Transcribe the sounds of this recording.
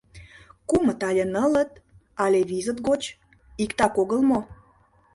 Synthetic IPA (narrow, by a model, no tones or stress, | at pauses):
kumət̪ɑlʲenələt̪ | ɑlʲeβizət̪ɣot͡ɕ | ikt̪ɑkoɣəlmo